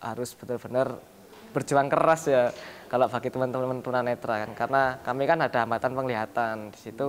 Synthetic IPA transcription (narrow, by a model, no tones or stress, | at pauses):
ha̰ɾʊsb̥ə̥t̪ʊlb̥ənər | b̥ərd͡ʒuaŋkəɾasjakaloʔb̥akit̪əmənt̪əmmənt̪əmənanːet̪ɾakankarənakamikanad̥a̤ɦambat̪anpəŋliɦat̪and̥i̥sit̪u